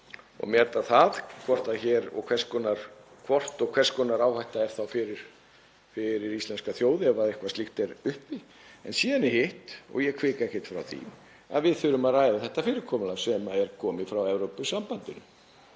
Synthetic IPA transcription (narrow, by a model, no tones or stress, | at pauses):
ɔ̰ɣmjɛɛɾt̪aθaðkʰvɔr̥t̪açɛːɾɔ̰ɣkʰvɛ̥skɔnaɾ̥ | kʰvɔr̥t̪ɔɣkʰvɛɾ̥skɔːnaɾaːwhajht̪aɛɾ̥θawfɪɾɪɾ̥ | fɪɾɪɾist̪lɛnskaθjoːwðɪɛvaðehkvast̪ixt̪ɛɾʏhpi | ɛ̰nsiːðanɪhɪht̪ɔ̰ɣjɛkʰvɪːkaɛhcɪt̪fɾa̰wθḭ | a̰ðvɪðθʏɾʏmaðraːjðaθɛht̪afɪːɾɪɾkʰɔmʏlasɛmaðɛɾ̥kʰɔːmɪfɾawɛvɾowpʏsampant̪ɪnʏ